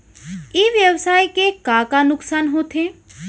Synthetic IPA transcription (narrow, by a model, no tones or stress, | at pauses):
iːʋjəwsaːjkekakanʊksaːnɦot̪ʰe